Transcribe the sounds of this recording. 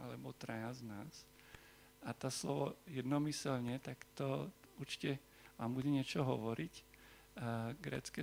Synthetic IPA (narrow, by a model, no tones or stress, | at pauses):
alɛbɔt̪ɾajaznaːs | at̪ɔslɔʋɔjɛd̪nɔmisɛlɲɛt̪akt̪ɔuɾt͡ʃi̥cɛ | ʋaːmbuɟɛɲɪɛt͡ʃɔɦɔʋɔɾic | ɡɾɛ̰ːt͡skɛ